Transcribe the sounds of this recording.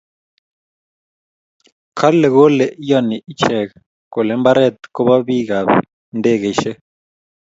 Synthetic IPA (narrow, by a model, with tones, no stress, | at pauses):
kʰa˦lɛ˨ɣo˦lɛ˨ʔi˦jɔ˨ni˨ʔi˦t͡ʃɛ˨kɛ | kɔ˨lɛ˨˦mba˦ɾɛ˨t̪kɔ˦βa˦βi˦ɣa˨βɛ̰˨ | ndɛ˦˨ɣɛ˨˦ʃɛ˦